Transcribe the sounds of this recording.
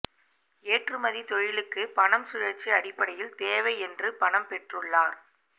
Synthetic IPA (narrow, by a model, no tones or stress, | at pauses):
eːʈrɯmɐðit̪ɔɻɪlɯkːɯpɐɳɐmsʊɻɐt͡ʃːiɐɽɪpːɐɽɐjɪlt̪eːʋɐɪɛndrɯpɐɳɐmpɛʈrɯɭːaːɾ